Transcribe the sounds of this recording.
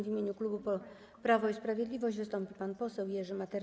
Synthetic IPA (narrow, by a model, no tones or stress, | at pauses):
vʲimʲjeɲuklubupɔ | pɾavɔispɾavʲjed̪lʲivɔɕd͡ʑvɘst̪ɔ̃mpʲipanpɔsɛwjɛʐɘmat̪ɛɾ